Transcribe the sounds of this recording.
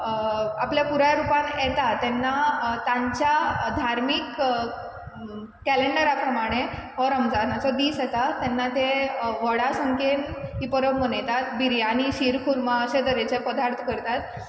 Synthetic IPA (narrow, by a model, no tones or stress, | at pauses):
apljapuɾajaɾupanjɛt̪at̪ːɛnːat̪ãɲt͡ɕjad̪ʱaɾmik | kːæleɳɖəɾakɾəmaɽ̃eɦɔɾəmd͡zanãt͡sɔd̪iːsjɛt̪at̪ɛnːat̪eʋəɽasəŋkenipəɾəbmənəjt̪at̪biɾjaniɕiɾkʰuɾmaəɕed̪əɾet͡ɕepəd̪ʱaɾt̪ʰkəɾt̪at̪